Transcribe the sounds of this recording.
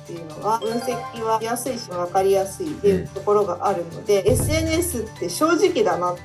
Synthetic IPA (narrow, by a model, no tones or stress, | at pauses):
t̪ːejɯ̟no̞βaɯ̟̃ɰ̃se̞kʲiβajasɨiɕimaβ̞akaɾʲijasɨid̪ejɯt̪o̞ko̞ɾo̞ɡaʔaɾɯ̟no̞̰d̪e̞esɨe̞nɯ̟esɨt̪ːe̞ɕo̞ːʑikʲid̪ana